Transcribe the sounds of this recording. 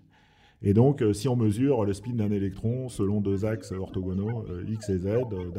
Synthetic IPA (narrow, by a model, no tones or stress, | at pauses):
ed̪ɔ̃ksiɔ̃məzyːʁləspind̪ɛ̃nelɛk̚t̪χɔ̃səlɔ̃d̪øzaksøɔʁt̪ɔɡɔnoøiksezɛd̪d̪